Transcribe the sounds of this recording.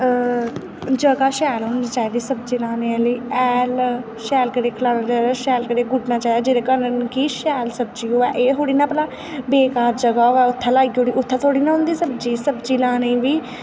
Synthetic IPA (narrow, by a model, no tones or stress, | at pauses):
d͡ʒəɡaːʃɛːlɦʊ̃nd̪iːt͡ʃaːid̪iːsəbd͡ʒiːlãːneːɛliːɛːl | ʃɛːlkəɾeːkʰəlaːnaːt͡ʃaːid̪aːʃɛːlkəɾeːɡʊɖnaːt͡ʃaːid̪aːd͡ʒɪːɾekəɾənkiːʃɛːlsəb̚d͡ʒiːɦoːɛːʔeːɦoːɽiːnãːpəlaː | beːkaːɾd͡ʒəɡaːoɛːʊt̪ʰːãːlaːɡiːɦoːɽiːʔʊt̪ʰːãːt̪ʰoːɽiːnaːɦʊ̃nd̪iːsəb̚d͡ʒiːsəbd͡ʒiːlãːnẽːʋiː